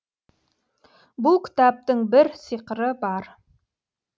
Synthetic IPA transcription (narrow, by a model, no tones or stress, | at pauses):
bukʰʲɪ̥t̪ʰap̚t̪ɪŋbɪɾsiqəɾəbɑɾ